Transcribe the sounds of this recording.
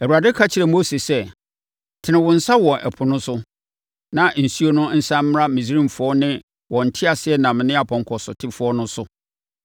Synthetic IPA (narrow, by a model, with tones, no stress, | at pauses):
æ˨wu˨a˨dɪ˦kʰa˦t͡ɕʰɪ˨ɾɛ˨mo˦se˨sɛ˦ | tʰɪ˨nɪ̃˨wʊ̃˨n̩˦sa˦wɔ̃˨ʔɛ̰˨pʰʊ˨nʊ̃˦sʊ˦ | nã˨n̩˨su˦o˦nʊ̃˦n̩˦sã˦m˦m˦ɾa˦mĩ˨s̬ɾĩ˦mfʊ˨˦ɔ˦nɪ̃˦ | wɔ̃˨n̩˨tʰɪ˦a˨sɪ˨ɛ˦nã˨m˨nɪ̃˦a˨pʰɔ̃˨ŋkʰɔ˨sʊ̰˨tʰɪ˦fʊ˦ɔ˦nʊ̃˦sʊ˦